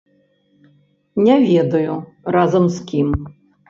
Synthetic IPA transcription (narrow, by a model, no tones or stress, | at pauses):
nʲɛvʲɛd̪ɐju | razɐmskʲim